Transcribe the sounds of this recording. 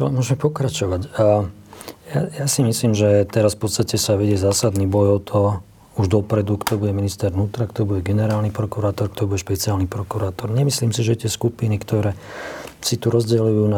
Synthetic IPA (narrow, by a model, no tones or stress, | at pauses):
t͡ʃɔlɛ̰mʊɔʒmɛpɔkɾat͡ʃɔʋacː | jajasimisliːmʒɛt̪ɛɾasfpɔt̪st̪acɛsaʋɛɟɛzaːsad̪niːbɔjɔt̪ʰɔ | uʒd̪ɔpɾɛd̪ukt̪ɔbuɟɛminist̪ɛɾʋnuːt̪ɾakt̪ɔbuɟɛɡɛnɛɾaːlnipɾɔkuɾaːt̪ɔɾkt̪ɔibuɟɛʃpɛt͡siaːlnipɾɔkuɾaːt̪ɔɾɲɛmisliːmsiʒɛt̪ɪɛskupinikt̪ɔɾɛːsit̪uɾɔzɟɛluujuːna